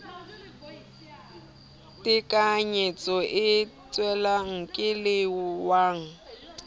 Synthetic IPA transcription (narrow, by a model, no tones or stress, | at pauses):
tʼɪkʼaɲet͡sʼɔʔɪt͡sʼwɛlaŋ̩kʼɪlɪʊwaːŋ̩